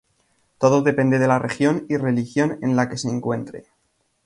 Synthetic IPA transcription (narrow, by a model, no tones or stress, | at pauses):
t̪o̞ðoðe̞pe̞nd̪e̞ðe̞larʔe̞xjo̞nire̞lixjo̞ne̞̰nlake̞se̞ːŋkwe̞nt̪ɾe̞̰